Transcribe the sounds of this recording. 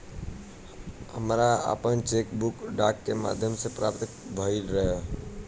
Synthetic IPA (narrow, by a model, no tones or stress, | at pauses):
ɦəmɾaa̰pənt͡ʃekbukɖakːema̰d̪ʱjəmsẽpɾap̚t̪kbʱəiɾəɦe